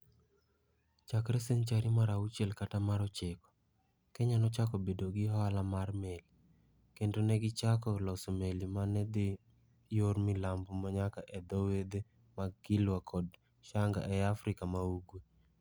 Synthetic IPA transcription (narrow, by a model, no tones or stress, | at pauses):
t͡ʃakɾɛseɲt͡ʃaɾimaɾaut͡ʃelkatamaɾɔt͡ʃekɔ̥ | kɛɲanɔt͡ʃakɔbedoɡɪɦalamarmeli | kendonɛɡɪt͡ʃakɔlɔsomelimanɛd̪ɪ | jormɪlambomaɲakaʔɛd̪ɔwed̪e | maɡɪlwakʰɔd | ʃaŋɡa̰ʔɛafɾɪkamauɡwe